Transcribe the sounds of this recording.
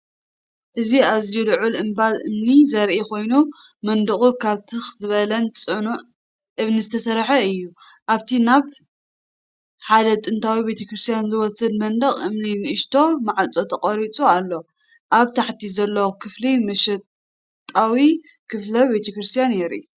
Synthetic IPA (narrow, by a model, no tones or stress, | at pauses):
ʔɨziazijulɨʕulɨmbalʔɨmnizɐɾʔikʰo̞jnu | mɐnd̪ɨχʼukʰaβt̪ʰɨxzɨβɐlɐnt͡sʼɨnuʕ | ʔɨβnizɨt̪ʰɐsɐɾħɐɨjːuʔaβt̪ʰinaβ | ħad̪ɐt̪ʼɨnt̪ʰawibe̞t̪ʰɐkɾɨst̪ʰjanzɨwɔsɐd̪mɐnd̪ɐχʼɨmninɨʔɨʃt̪ʰo̞maʕat͡sʼo̞t̪ʰɐqʼɐɾit͡sʼualːo̞ | ʔaβt̪ʰaħt̪ʰizɐlːɐwkʰɨflimɐʃɐ | t̪ʼawikʰɨflɐbe̞t̪ʰɐkɾɨst̪ʰijanjɛɾʔḭ